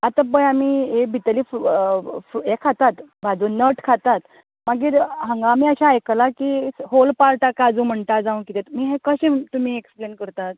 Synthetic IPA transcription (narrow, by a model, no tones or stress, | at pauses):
at̪abəjamiebʱit̪əliːf | fɾuekʰːat̪at̪bʱad͡zunəʈkʰat̪at̪ | maɡiːɾɦəŋɡamiəɕãːjklakiɦolpaɾʈ̪akad͡zũːm̤əɳʈ̪ad͡zaũkit̪et̪miːɦekəɕẽt̪um̤iːeksplenkəɾt̪at̪̚